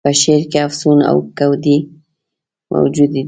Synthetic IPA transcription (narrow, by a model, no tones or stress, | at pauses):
pəʃeɾkeafsuna̰wkawd̪i | mʔa̰wd͡ʒud̪i